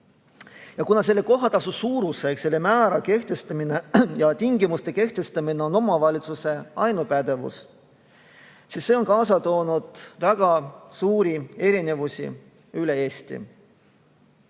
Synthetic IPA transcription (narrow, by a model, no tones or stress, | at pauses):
jɑkunɑse̞lːe̞ko̞ɦɑt̪ɑsusuːɾusekse̞lːe̞mæːɾɑke̞ht̪e̞st̪ɑminejɑt̪iŋɡimust̪e̞ke̞ht̪e̞st̪ɑmineo̞no̞mɑvɑlʲit̪suse̞ɑjnupæd̪̥e̞vṵs | sisːe̞o̞nkɑːsɑt̪o̞ːnud̪̥væɡ̥ɑsuːɾie̞ɾine̞vusʲḭ | yle̞eːst̪ḭ